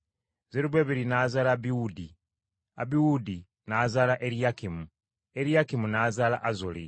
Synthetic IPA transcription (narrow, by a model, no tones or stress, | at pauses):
zeɾuβweːβiɾinaːzaːlaβiwudi | a̰βiwudi | naːzaːlaʔeɾiakimu | eɾiakimunazaːlaʔazoli